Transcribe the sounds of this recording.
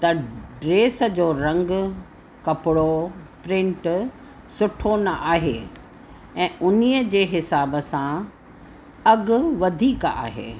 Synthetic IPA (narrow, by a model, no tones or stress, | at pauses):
t̪ɐɖɾeːsə̆d͡ʑoːɾɐ̃ŋɡ | kɐpɪɽopɾɪ̃ɳʈ | sʊʈʰonɐʔaːɦḛː | ɛ̃ːʔʊnijəd͡ʑeːɦɪsaːbəsã | ɐɡʊʋɐd̪ʱiːka̰ːɦḛː